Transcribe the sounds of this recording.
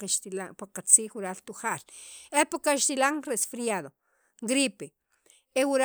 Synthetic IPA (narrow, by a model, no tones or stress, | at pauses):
aʃt̪ilapaqat͡siːχwuɾalt̪uχaːlepakaʃt̪ilaŋɾesfɾijaðo | ɡɾipe | ewuɾ